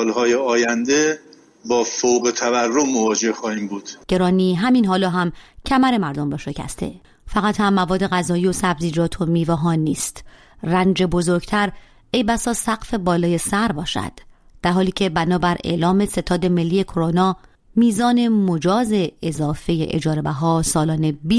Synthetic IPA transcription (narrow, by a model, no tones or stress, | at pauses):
lhɒːjeɒːjænd̪e | bɒːfowɣet̪ʰæværːomːovɒːd͡ʒe̞hxɒːhiːmbuːd̪̥ɟ̥e̞ɾɒːniːɦæminɦɒːlɒːɦæmcʰæmæɾe̞mæɾd̪o̞mbɒːʃe̞cʰæ̰st̪ʰe̞̰ | fæɣæt̪hæmːævɒːd̪ːeɣæzɒːjiːosæbziːd͡ʒɒːt̪ʰo̞miːvæɦɒːnːiːst̪ | rænd͡ʒe̞bo̞zoɾɟt̪ʰæɾ | ejbæsɒːsæɣfe̞bɒːlɒːje̞sæɾbɒːʃæ̰d̪̥ːæɾɦɒːliːcʰe̞bænɒːbæɾe̞̰ʔlɒːme̞se̞t̪ʰɒːd̪e̞me̞lːiːe̞kʰo̞ɾonɒː | miːzɒːne̞mo̞d͡ʒɒːze̞ːzɒːfe̞jḛʔḛd͡ʒɒːɾebæɦɒːsɒːlɒːne̞biː